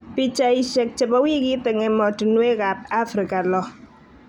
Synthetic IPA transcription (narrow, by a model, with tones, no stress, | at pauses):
pi˦t͡ʃa˦i˦ʃɛ˨k̚t͡ʃɛ˨pɔ˦wi˦ki˦tɛ˨ŋɛ˨mɔ˨tu˨nwe˦ka˨t̚a˦fɾi˨ka˨lɔ˦